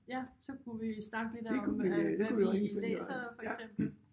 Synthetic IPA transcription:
jæsɒ̽kʰuʋisnɑ̈ɡ̥əlid̥d̥ekʰuʋid̥e̝kuʋiɒesɔeːsɐfɒ̥̽sem̰b̥l̩

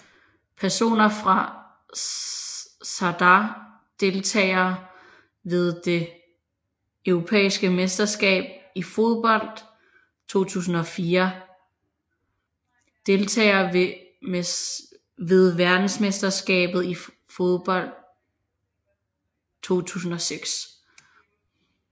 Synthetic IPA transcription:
pʰæɐso̝̰ːnɐfʁɑ̈ | sɑd̥ɑ | d̥e̝lt͡sʰɛ̰ːɪɐ | ʋe̝ð̞ˠd̥e̝ | øʊʁo̝pʰḛːisɡ̥əmesd̥ɐsɡ̥ɛ̰ːb̥̚ifo̝ð̞ˠb̥ɒ̽l̰d̥ | t͡sʰo̝̰ːt͡sʰṵːs̬n̩ɒ̽fiːɐ | d̥e̝lt͡sʰɛ̰ːɪɐ | ʋe̝ð̞ˠʋæɐd̥n̩smesd̥ɐsɡ̥ɛ̰ːb̥ð̞̩ˠi | fo̝ðˠb̥ɒ̽l̰d̥̚ | t͡sʰo̝̰ːt͡sʰṵːsn̩ɒ̽seɡ̥s

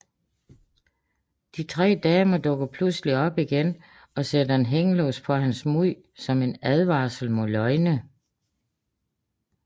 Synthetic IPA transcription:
d̥it͡sʰʁɛ̰ːd̥ɛːmɐd̥ɔ̽ɡ̥ɐpʰlusəliɒ̽b̥iɡ̥en | ɒ̽sed̥ɐe̝nɦeŋəlɔ̰ːspʰɒ̽ɦænsmuð̰ | sɒ̽me̝næð̞ˠʋɑ̈ːsl̩mɔ̽lɒ̽ɪnə

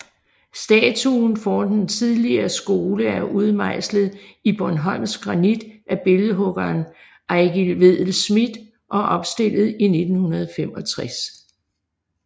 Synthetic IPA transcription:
sd̥ɛːt͡sʰunfɒːnd̥ent͡sʰiðˠliɐːsɡ̥o̝ːləæɐʔuð̞ˠmɑ̈ɪ̰sləð̩ˠib̥ɒnɦɒ̽l̰msɡ̥ʁɑ̈nid̥ʔæb̥e̝ləɦɔ̽ɡ̥ɐːn | ʔɑɪɡ̥ilʋe̝ð̰ˠl̩smid̥ | ʔɒ̽ʔɒ̽b̥sd̥e̝l̰ð̞̩ˠine̝d̥n̩hunɐð̞ˠfemɒ̽t͡sʰʁas

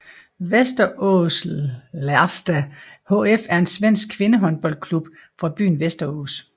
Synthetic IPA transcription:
ʋesd̥ɐʔɔslæɐsd̥æhoefæɐe̝nsʋen̰sɡ̥̚kʰʋe̝nəɦɒ̽nb̥ɒ̽l̰d̚kʰlub̥ | fʁɑ̈b̥y̰ːn̩ʋesd̥ɐo̰ːs

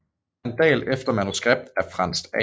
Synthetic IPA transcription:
ænd̥ɛ̰ːlefd̥ɐmænusɡ̥ʁeb̥̚d̥æɐfʁɑ̈n̰sd̥ɛ̰

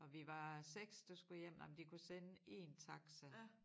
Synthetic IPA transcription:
ʔɒ̽ʋiʋɑ̈seɡ̥sd̥ɑsɡ̥ujem̰nɑmnd̥ikʰusenəe̝̰ːnt͡sʰɑ̈ɡ̥sə

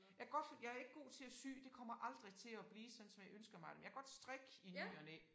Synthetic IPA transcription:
jɑ̈ɪɡ̥ɒ̽d̥jɑ̈ɪæɐe̝ɡ̥ɡ̥o̝̰ːt͡sʰe̝læsy̰ːd̥e̝kʰɒ̽m̰ɐʔɑ̈ld̥ʁit͡sʰe̝lɒb̥liːsɒ̽d̥n̩sɒ̽mjɑ̈ɪønsɡ̥ɐmɑ̈ɪd̥emjɑ̈ɡ̥ɒ̽d̥sd̥ʁɛɡ̥inyːɐne

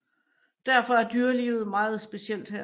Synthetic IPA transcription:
d̥æɐ̰fɒ̽æɐd̥yːɐliːʊð̞̩ˠmɑ̈ːð̞̩ˠsb̥e̝siel̰d̥hæɐ

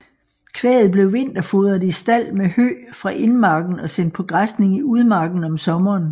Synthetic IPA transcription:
kʰʋɛ̰ːð̩ˠb̥le̝ʊʋe̝n̰d̥ɐfoðˠɐðˠisd̥æl̰mehø̰ːfʁɑ̈ʔe̝nmɑ̈ːɡ̥n̩ɒ̽sen̰d̥̚pʰɒ̽ɡ̥ʁasne̝ŋiuð̞ˠmɑ̈ːɡ̥n̩ɒ̽msɒ̽mɐːn

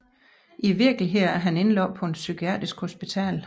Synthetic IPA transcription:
ʔiʋiɐɡ̥liɦeð̰æɐɦæne̝nlɒːpʰɒ̽e̝nsykʰiɛ̰ːd̥ʁisɡ̥ho̝sb̥it͡sʰɛ̰ːl

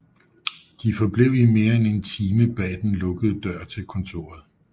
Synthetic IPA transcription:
d̥ifɒ̽b̥le̝ʊ̰ime̝ːɐene̝nt͡sʰiːməb̥ɛ̰ːd̥enlɔ̽ɡ̥əð̩ˠd̥ɶɐ̰t͡sʰe̝lkʰɒ̽nt͡sʰo̝̰ːɐ̰ð̩ˠ

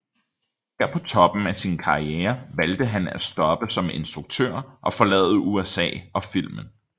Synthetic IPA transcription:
hæɐpʰɒ̽t͡sʰɒ̽b̥n̩æsinkʰɑ̈ieːɐʋæld̥əɦænæ̥sd̥ɒ̽b̥əsɒ̽me̝nsd̥ʁuɡ̥̚t͡sʰø̰ɐ̰ʔɒ̽fɒ̽lɛ̰ːð̩ˠəʔuesɛ̰ːɒ̽fil̰mən̩

